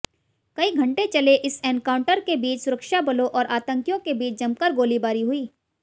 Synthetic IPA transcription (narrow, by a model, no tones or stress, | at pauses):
kɐiɡʱɐ̃ɳʈet͡ʃɐleʔɪsɛːnkaːʊ̃ɳʈəɾkebiːt͡ʃsʊɾəkʃabɐloʔɔːɾʔaːt̪ə̃ŋkjõkebiːt͡ʃd͡ʒɐmkəɾɡoːlibaːɾiɦʊiː